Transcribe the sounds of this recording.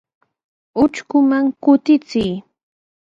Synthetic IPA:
ʊt͡ʃkʊmaŋkʊt̪ɪt͡sɪj

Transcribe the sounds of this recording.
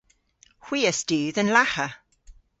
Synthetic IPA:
hw̥iːəsd̥ʉːðə̃nlahə

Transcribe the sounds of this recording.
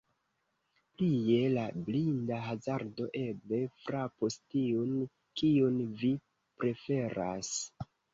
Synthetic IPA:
plie̞lablindaɦazaɾdo̞ʔe̞ble̞fɾapostiun | kiunvi | pɾe̞fe̞ɾa̰s

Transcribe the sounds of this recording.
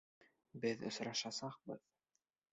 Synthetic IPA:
bɘðɵ̰̆sɾɑʃɑsɑqbɤð

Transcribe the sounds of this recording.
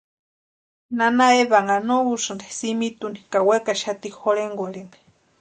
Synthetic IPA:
nanaeβaŋɡanouʂɨndesimit̪uni̥kawekaʃat̪ixoleŋɡoleme̥

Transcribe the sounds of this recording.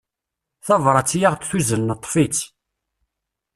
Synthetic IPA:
θɑvɾˤɑt͡sːjaʁt̪θuzənːət̪ˤːfit͡s

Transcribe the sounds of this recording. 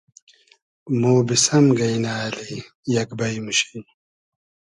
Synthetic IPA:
moːbisɐmɡɐjnaːli | jɐkbɐjmuɕi̥n

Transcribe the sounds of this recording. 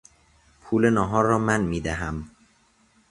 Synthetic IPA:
pʰuːlenɒːɦɒːɾɒːmænmiːd̪æɦæm

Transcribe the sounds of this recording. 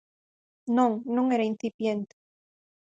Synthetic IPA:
noŋnõŋeɾainθipjent̪e̥

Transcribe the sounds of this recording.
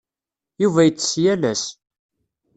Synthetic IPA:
juvæjət͡sːsjælæs

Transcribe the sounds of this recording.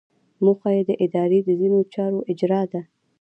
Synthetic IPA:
muxwajed̪əʔɪd̪ɑɾed̪əzinot͡ʃɑɾoʔɪd͡ʒɾɑd̪a

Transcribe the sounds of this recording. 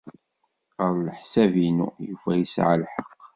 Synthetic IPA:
əðˤləħsævinṵjufæjisʕa̰lħɑqː

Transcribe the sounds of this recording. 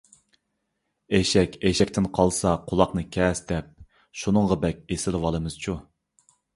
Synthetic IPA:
eʃɛkʲeʃɛkʲt̪ɪnqʰɑlˠsɑqʰʊlˠɑqnɨkʲʰɛsd̪ɛp̚ | ʃunɨɴʁɑbɛkʲesɪlwɑlˠɨmɨz̥t͡ʃʰu

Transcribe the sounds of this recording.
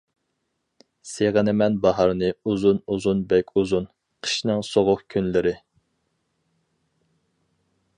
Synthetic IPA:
seʁənɪmɛnbɑɦɑɾnɨuzunuzunbɛkʲʰuzun | qʰə̥ʃnɨŋsoʁʊχkʲʰynlɪɾɪ

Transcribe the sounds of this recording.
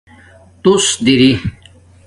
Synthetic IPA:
t̪usd̪iɾi

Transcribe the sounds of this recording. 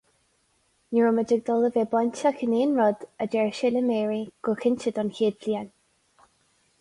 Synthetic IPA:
niɹʊməd͡ʒɪɡ̚d̪ɔləveːbanʲtakəneːnɹɔd̪əd͡ʒɛɹʃɪləmɛːɹiɡ̥ʊxɪnʲt͡ʃəd̪ɔnçiːd̪lian

